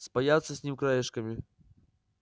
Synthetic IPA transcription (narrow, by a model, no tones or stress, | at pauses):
spajat̪sːəsʲnʲimkɾajɪʂkɐmʲi